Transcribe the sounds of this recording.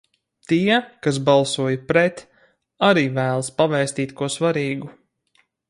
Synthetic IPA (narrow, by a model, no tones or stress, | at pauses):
t̪iɛkas̬balˠsuɔjapɾɛt̪ | aɾiːvæːlˠspavɛːst̪iːt̪kuɔsvaɾiːɡu